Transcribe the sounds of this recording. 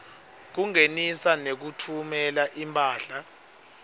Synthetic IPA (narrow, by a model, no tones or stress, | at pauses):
k̬uŋenisanek̬utʰumɛlaʔimpʰʼaːɬa